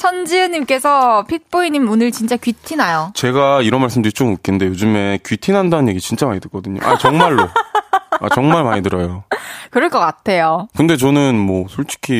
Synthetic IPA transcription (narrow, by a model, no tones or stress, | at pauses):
t͡ɕʰʌnd͡ʑiɯɲimk͈e̞sʰʌpʰit̚p͈oiɲimunɯɭt͡ɕint͡ɕ͈akɥitʰinajot͡ɕe̞ɡaiɾʌnmaɭs͈ɯmdɯɾit͡ɕ͈omɯk͈innde̞jod͡ʑɯme̞kɥitʰinɦandanɯnje̞ɡit͡ɕint͡ɕ͈amaɲidɯɭk͈ʌdɯɲo̰ʔa̰t͡ɕʌŋmaɭːo | a̰t͡ɕʌŋmaɭmaɲidɯɾʌjokɯɾʌɭkʌk͈atʰe̞jokɯnde̞t͡ɕʌnɯnmwʌsʰoɭt͡ɕ͈i̥kʰi